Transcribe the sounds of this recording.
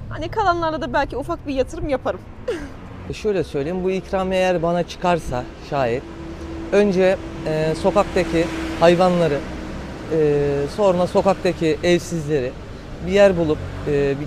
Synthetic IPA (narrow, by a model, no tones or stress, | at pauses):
ha̰nikʰalˠanlˠaɾlˠad̪abælʲciufak̚bijat̪ʰɯɾɯmjapʰaɾɯm | ʃø̞jlʲɛsø̞jlʲejimbuicɾamejæɾbanat͡ʃʰɯ̥kʰaɾsa | ʃaːjit̪̚ | ø̞nd͡ʒɛso̞kak̚t̪ʰacʰihajvanlˠaɾɯ | ɯːso̞ɾunaso̞kak̚t̪ʰacʰiʔɛvsizlʲe̞ɾɪ | bijæɾbulˠup̚ɯːb